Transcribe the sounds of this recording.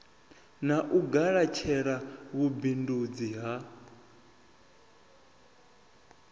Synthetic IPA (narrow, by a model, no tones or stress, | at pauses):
naʔuɡaɺat͡ʃʰɛɺaɣubindud͡ziɦa